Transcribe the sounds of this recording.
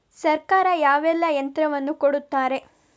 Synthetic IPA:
sɐɾkaːɾɐjaːʋɛlːɐjɐnt̪ɾɐʋɐnːukoɽut̪ːaːɾe̞

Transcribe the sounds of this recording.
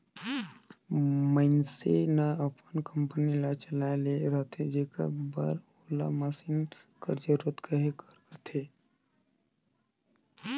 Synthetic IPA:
məɪnsenaəpənkəmpənilat͡ʃəlaeleɾət̪ʰed͡ʒeka̰bəɾ | ola̰məsinkəɾd͡ʒəɾot̪kəɦekəɾkət̪ʰe

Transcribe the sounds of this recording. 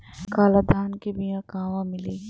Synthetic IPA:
kaːlad̪ʱaːnkebɪjãkaːʋãmɪliː

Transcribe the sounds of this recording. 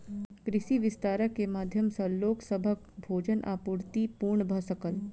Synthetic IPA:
kɾɪʃiʋɪst̪aːɾəkːemaːd̪ʱjəmsɐloːksəbʱək̚ | bʱoːd͡ʒənʔa̰ːpuːɾt̪ipuːɾɳəbʱəsəkəl

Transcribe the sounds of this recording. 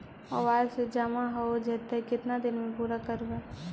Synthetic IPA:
ɔʋaːd͡ʒsed͡ʒaːmãɦood͡ʒɛt̪ɛkɪt̪nad̪ɪnmẽpuːɾakəɾuɛ

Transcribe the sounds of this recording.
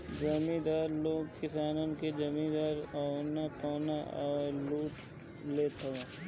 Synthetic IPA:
d͡ʒɐmĩd̪aːɾloːɡ̚kɪsaːnonked͡ʒɐmĩd̪aːɾɔnapɔːnaɔːɾluːʈ | leːt̪ʰo

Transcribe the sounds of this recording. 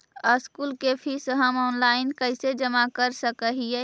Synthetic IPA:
əskuːlkepʰisəɦəmɔːnlaɪnkəɪsed͡ʒəmakəɾsəkəɦije

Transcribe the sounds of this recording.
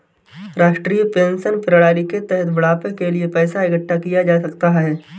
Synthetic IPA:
ɾaːʃʈɾiːjpẽːnsənpɪɾɽaːɾiket̪ɛɦət̪ʋɐɽaːpẽkeliepɛːsaɪkəʈʰːakijad͡ʒaːsɐkt̪aɦɛː

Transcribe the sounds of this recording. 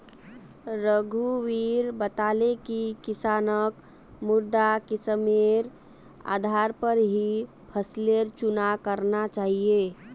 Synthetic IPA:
ɾəɡʱuʋiːɾbət̪aːlekikɪsaːnək | mʊɾd̪akɪsəmeɾ | a̰ːd̪ʱaɾpəɾɦi | pʰəsleɾt͡ʃʊnakəɾnat͡ʃaːɦie

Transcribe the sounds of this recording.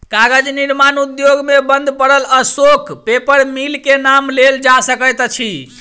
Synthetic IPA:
kaɡəd͡ʒniɾmanud̪joɡmebənd̪ʱpəɽələsokʰpepəɾmilkenamleld͡ʒasəkət̪t͡ʃʰi

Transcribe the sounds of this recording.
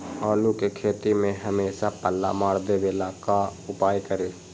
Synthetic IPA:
ɔːlukekʰeːt̪imẽɦɐmeːʃapəlːa̰maːɽd̪eʋelaːkaʊpaːjkəɾeː

